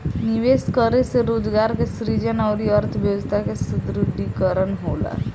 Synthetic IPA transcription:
nɪʋeːskəɾeseɾoːd͡ʒɡaːɾkesɾid͡ʒənɔʊɾiəɾt̪ʰʋjəʋəst̪ʰakesʊd̪ɾud̪ʱːikəɾənɦoːla̰

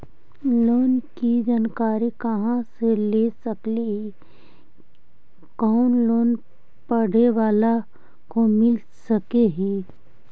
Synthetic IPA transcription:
loːnkid͡ʒaːnkaːɾikɐɦãselesəkleɦi | kɔːʊnloːn | pəɽ̤eʋaːla | komɪl | sɐkeɦiː

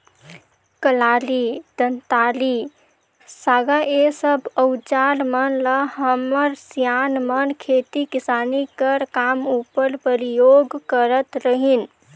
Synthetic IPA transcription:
kəlalid̪̥ənt̪ali | saɡaʔesəbəwt͡ʃalmənləɦəməɾsijanmənkʰet̪ikisanikəɾkamupəɾpəɾijoɡkəɾət̪ɾəɦin

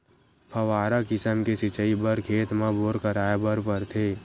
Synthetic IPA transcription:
pʰɐʋaːɾakɪsəmkesɪt͡ʃəibəɾkʰeːt̪mãboːɾkəɾaːjabəɾpəɾt̪ʰeː

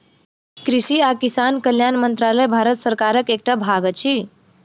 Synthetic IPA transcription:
kɾisiakisankəljanmənt̪ɾaləjbʱaɾət̪səɾkaɾəkek̚ʈabʱaɡət͡ʃʰi

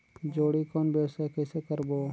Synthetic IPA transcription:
d͡ʒoːɽikɔːnbeːsekɛːsekəɾboː

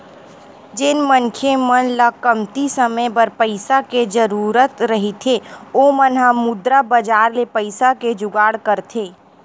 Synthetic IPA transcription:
d͡ʒɪnmənkʰemənlakəmt̪isəməjbəɾpəɪsaked͡ʒəɾuːɾət̪ɾəɦit̪ʰeoːmənɦãmʊd̪ɾabəd͡ʒaːɾlepəɪsaked͡ʒʊɡaːɽkəɾt̪ʰeː

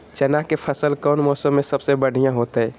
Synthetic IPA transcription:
t͡ʃɛnakepʰəsəlkənmɔːsəmːesəbsebəɽ̤ʱijãɦot̪əj

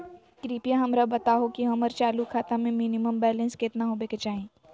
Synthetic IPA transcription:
kɾiːpijaɦɐmɾabɐt̪aɦokiɦɐməɾt͡ʃaːlukʰːaːt̪amẽminiməmbɛːlə̃nskeːt̪naɦoːbeket͡ʃaːɦẽː

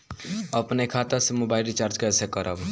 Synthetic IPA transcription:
əpnekʰat̪asemobaɪlɾit͡ʃaɾd͡ʒkeɛsekəɾəb

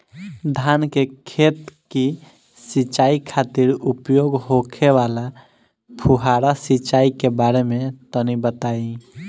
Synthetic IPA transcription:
d̪ʱankekʰet̪ki | sit͡ʃaikʰat̪iɾupjoɡɦokʰewala | pʰuɦaɾasit͡ʃaikebaɾemet̪ənibət̪ai

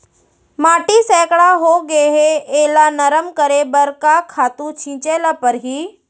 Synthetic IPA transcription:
maːʈisɛːkɭaɦoɡeɦeeːlanəɾəmkəɾebəɾkakʰaːt̪ũt͡ʃʰĩːt͡ʃeːlapəɾɦiː

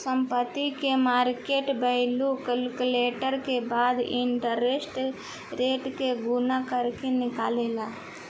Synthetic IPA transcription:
səmpət̪ːikemaːɾkeʈbəɦlukəlkleːʈəɾkebaːd̪ɪɳʈəɾesʈ | ɾeːʈkeɡunakəɾkenɪkaːleːla

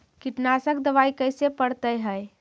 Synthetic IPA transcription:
kiʈnasək̚d̪əʋaikəjsepəɽt̪əjɦəj

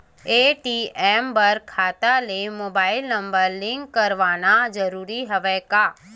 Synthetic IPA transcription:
eːʈiːɛːmbɐɾkʰaːt̪alemoːbaːɪlnɐ̃mbəɾlɪ̃ŋkːɐɾʋaːnad͡ʒɐɾuːɾiɦɐʋɛːkaː

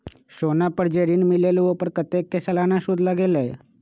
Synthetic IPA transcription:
ɕonapəɾd͡ʑeɾiːnmileleʋopəɾkət̪ekːesəlanaɕud̪laɡelae

